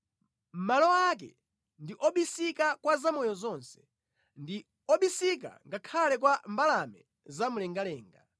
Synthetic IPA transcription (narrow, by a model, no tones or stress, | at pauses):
m̩malɔakɛ̰ | ndiʔɔɓisikakwazamɔjɔzɔnsɛ̥ | ndi | ɔɓisik̬a̰ŋɡakʰalɛkwambalamɛ̰ | zamulɛŋɡalɛːŋɡa